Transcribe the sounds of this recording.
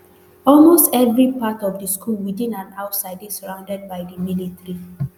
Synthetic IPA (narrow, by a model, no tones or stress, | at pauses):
ɔlmostɛvɹipatɔfdəskʰulwidĩnãnawtsaɪdesəɹãʊ̃ndɛd̚baɪdəmilitəɹi